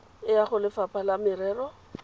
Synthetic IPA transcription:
ɪjaχʊlɪfapʰʼalamɪɾɛːrɔ

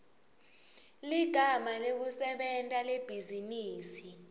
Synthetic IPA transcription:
liɡ̥ʱamalek̬usɛɓɛntʼaleb̥ʱiziniːsi

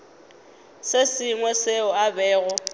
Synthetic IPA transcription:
sesɪŋwɛseʊabɛːɣʊ

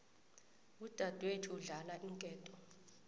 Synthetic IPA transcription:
ud̥ʱad̥ʱwetʰiuɮalaʔiŋkʼɛːtʼɔ

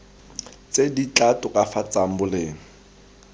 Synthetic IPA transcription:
t͡sedit͡ɬatʊkʼafat͡sam̩bʊleːŋ̩

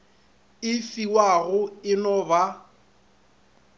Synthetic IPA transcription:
ɪfiwaɣʊɪnɔba

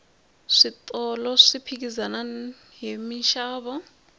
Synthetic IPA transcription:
ʂit̪ʼɔlɔʂipʰik̬izana | ɦemiʃaːɓɔ

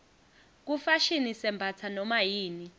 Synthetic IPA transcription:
k̬ufaʃinisɛmbʱat͡sʰanɔmajiːni

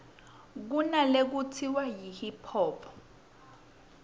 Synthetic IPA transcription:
k̬unalek̬utʰiwajihipʰɔːpʰɔ̥

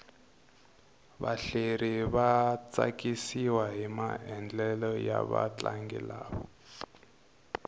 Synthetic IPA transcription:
βaɬeɾiβat͡sakisiwaɦimaɛnd͡ɮɛlɔjaβa̰t͡ɬaŋɡḭlaːβɔ

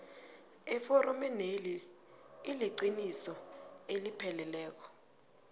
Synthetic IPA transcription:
ɛfɔɾɔmɛneli | iliɡ͡ǀʱinisɔelipʰɛlɛlɛːk̬ɔ̥

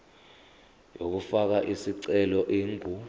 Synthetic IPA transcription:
jok̬ufak̬aʔisiǀɛlɔʔeːŋʱu

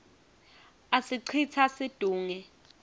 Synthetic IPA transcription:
asiǀʰit͡sʰasid̥ʱuːŋɛ

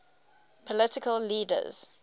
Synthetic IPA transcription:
pʰɔlɪtɪkəlːiːdə̰z̥

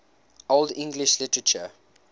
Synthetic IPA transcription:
ʔoldɪ̃ŋɡlɪʃlɪtəɹət͡ʃə̰

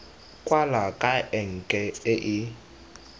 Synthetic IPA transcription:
kʼwalakʼaʔɛŋ̩kʼɛɪʔɪ

